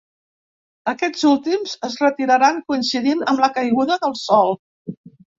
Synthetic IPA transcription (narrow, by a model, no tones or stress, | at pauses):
əkɛd͡zulˠt̪imzəzrət̪iɾəɾaŋkuinsiðinəmləkəjɣuðəðəlˠsɔlˠ